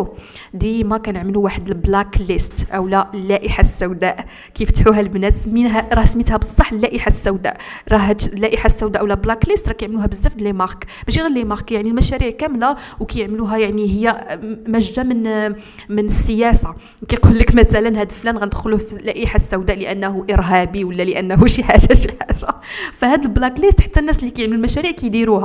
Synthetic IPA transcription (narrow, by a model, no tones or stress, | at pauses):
d̪imækænəʕməluwaħəd̪əlblæklist̪ʔəwlælːæʔəħasːæwd̪æʔ | kæjft̪ħuɦælbnæt̪smːinɦæɾˤɑhsmit̪hæbəsˤːɑħːəlːæʔiħasːæwd̪æ̰ʔɾˤɑɦt̪lːæʔiħasːæwd̪æʔəwlælblɑklist̪ɾˤɑkjəʕməluhæbəzːæfd̪limɑʁkb̥æʃiɣælːimɑʁkjaʕnilmæʃæɾiʕkæmlæ | wkæjəʕmluɦæjaʕniɦəjːæmæʒːæmən | mənəsːəjæsa | kæjqulːəkmæt̪ælənɦæd̪əlflænɣænəd̪xʊlufilæʔiħasːæwd̪æʔləʔænːhuʔəɾɦæbiwəlːæləʔænːɦuʃiħaʒæʃiħaʒafæhæd̪əlblɑklist̪ħḁt̪ːænːæslːikæjəʕməlulmæʃæɾiʕkæjd̪iɾuhæ